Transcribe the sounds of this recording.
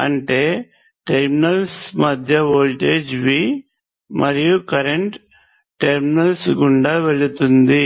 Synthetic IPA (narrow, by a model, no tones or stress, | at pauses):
ɐ̰ɳʈe̞ː | ʈeɾminɐlsmɐd̪ʱjɐʋoːlʈe̞ːd͡ʒʋi | mʔɐɾijukɐɾeɳʈ | ʈeɾminɐlsɡuɳɖaʋe̞ɭut̪und̪i